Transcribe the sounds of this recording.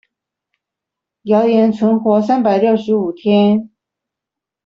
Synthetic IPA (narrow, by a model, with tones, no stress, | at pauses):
jɑ˧˥ʊjɛ˧˥nt͡sʰwə˧˥nxwɔ˧˥s̬a˥npa˨˩ɪljo˥˩ʊʂɻ̩˧˥u˨˩t̪ʰjɛ˥n